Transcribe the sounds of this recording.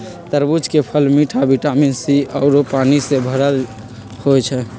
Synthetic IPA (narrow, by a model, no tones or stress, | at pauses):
t̪əɾbud͡ʒkepʰəlmiʈʰabiʈaminsiʔəʊɾopaːnisebʱəɾəl | hojt͡ʃʰɛ